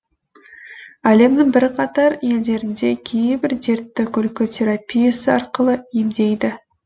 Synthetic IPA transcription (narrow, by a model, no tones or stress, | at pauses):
æle̞mnɪŋbɪɾqʰɑt̪ɑɾje̞ld̪e̞ɾɪnd̪e̞kʲʰejbɪɾd̪e̞ɾt̪ːɪkʲʏlkʲot̪ʲʰe̞ɾapʲijasəɑɾqəlˠəemd̪e̞jd̪ɪ